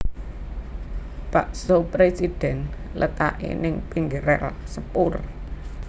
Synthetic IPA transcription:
paʔsopɾesid̥ɛ̤n | lʔət̪aʔḛnɪŋpiŋɡəɾɛ̰rsəpʊr

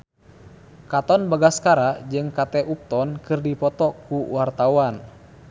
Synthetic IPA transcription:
kat̪ɔnbaɡaskaɾad͡ʒɨŋkat̪ɛʔup̚t̪ɔnkɨrdipɔt̪ɔkuwart̪awan

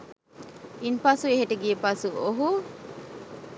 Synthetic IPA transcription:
inpɐsueɦeʈeɡiepɐsuoɦu

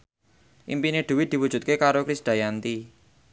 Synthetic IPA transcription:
ʔḭmpineɖ̪̥ṳwid̪̥i̤wud̥ʒ̥ṳt̪̚kekaɾokɾisɖ̪̥a̤jant̪i

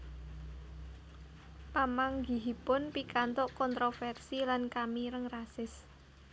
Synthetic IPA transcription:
pamaŋɡi̤ɦipʊnpikant̪ʊʔkɔnt̪ɾofɛrsilankamiɾəŋrasɪs

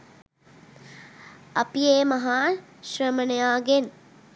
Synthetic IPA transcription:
ɐpieːmɐɦaːʃrəmənejaːɡen

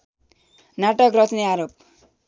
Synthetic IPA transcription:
naʈʌkrʌt̪niaɾop̚

